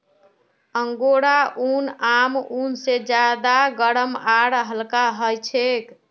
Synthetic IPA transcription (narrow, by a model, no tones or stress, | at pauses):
əŋɡoɽaʔunamunsed͡ʒad̪aɡəɽəmaɽɦəlkaɦəjt͡ʃʰek